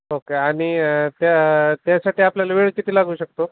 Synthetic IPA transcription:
okeaɽ̃it̪jat̪jasaʈiːapljalaʋeɭkit̪ʰiːlaɡuːɕək̚t̪o

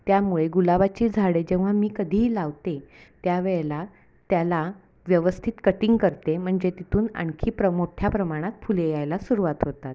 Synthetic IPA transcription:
t̪jamuɭeɡulaʋat͡ɕiːd͡zʱaɽed͡ʑẽʋ̤amiːkəd̪ʱiːlaʋt̪et̪jaʋeɭela | t̪jala | ʋjəʋəst̪ʰiːt̪kəʈiŋɡkəɾt̪em̤əɳd͡ʑet̪it̪ʰuːna̰ɳkʰiːpɾəmoʈʰjapɾəmaɽ̃at̪fulejajlasuɾuʋat̪ɦot̪at̪̚

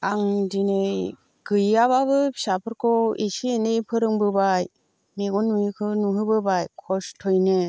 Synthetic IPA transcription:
aŋdinej | ɡɯjaβaβɯbisapʰɯɾkʰɔisienejpʰɯɾɯŋbɯbaj | meɡɔnuikʰɯnuɦɯbɯbajkʰɔstʰɔjne

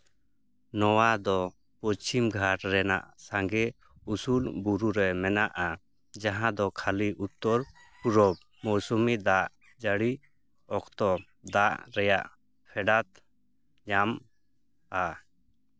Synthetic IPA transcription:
nɔwad̪ɔ | pɔt͡ʃimɡʱaʈɾɛna̰ʔsãŋɡɛ | usulbuɾuɾɛmɛnaʔa | d͡ʒaɦãd̪ɔkʰaliʔut̪ːɔɾ | puɾɔb | mɔɾsumid̪aʔ | d͡ʒəɽi | ɔkt̪ɔ | d̪aʔɾɛja̰ʔ | pʰɛɖat̪ | ɲam | a

